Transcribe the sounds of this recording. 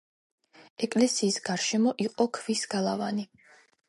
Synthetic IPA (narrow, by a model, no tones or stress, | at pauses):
ɛkʼlɛsiːsɡ̥aɾʃɛmɔʔiqʼɔkʰvisɡ̥alˠavani